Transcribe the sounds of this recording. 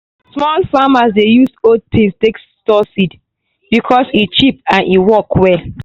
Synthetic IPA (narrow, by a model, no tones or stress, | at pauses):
smɔlfamasdejusod̚tʰĩstek | tɔsid | b̥ikʰɔsit͡ʃip̚ãnʔiwɔkwɛ